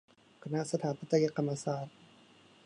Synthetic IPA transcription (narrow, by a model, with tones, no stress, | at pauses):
kʰa˧na˦˥ʔsa˧t̪ʰaː˦npʰa˦t̪ːa˧ja˦˧ka˧mːa˧saː˨˩t̪̚